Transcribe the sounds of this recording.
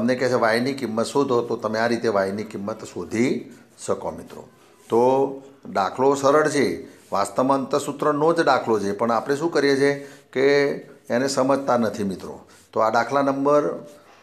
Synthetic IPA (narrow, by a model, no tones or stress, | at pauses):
t̪əmnekɛt͡ʃʰeʋajnikɪmːət̪sod̪ʱot̪ot̪əmeaɾit̪eʋajnikimːət̪sod̪ʱi | ʃəkomɪt̪ɾo̰ | t̪oɖakʰlosəɾəɽt͡ʃʰe | ʋast̪əmãənt̪əɾsut̪ɾənod͡ʒɖakʰlod͡ʒʰepəɳapɽ̃eʃũkəɾjet͡ʃʰekeː | nesəməd͡ʒʱt̪anət̪ʰimɪt̪ɾo̰ | t̪oaɖakʰlanəmbəɾ